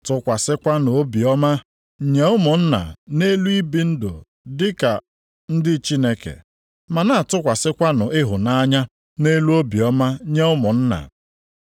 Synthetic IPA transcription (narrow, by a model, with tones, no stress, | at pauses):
tʊ˦kʷa˨sɪ˦kʷa˦no˨o˦bi˨ɔ˦ma˦ | ɲe˦ʊ˦mʊ˨n̩˦na̰˨ne˦lu˦i˦bi˦n̩˦do̰˨ | dɪ˦ka˨ | n̩˦dɪ˦t͡ʃi˦ne˦kḛ˨ | ma˨na˦˨tʊ˦kʷa˨sɪ˦kʷa˦nʊ˨ʔɪ˦ɦʊ˨na˦ɲa˦ | ne˦lu˦o˦bi˨ɔ˦ma˦ɲe˦ʊ˦mʊ˨n̩˦na̰˨